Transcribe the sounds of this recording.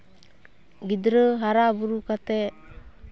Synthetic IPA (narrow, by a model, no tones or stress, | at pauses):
ɡidɾəɦaɾabuɾukat̪ɛ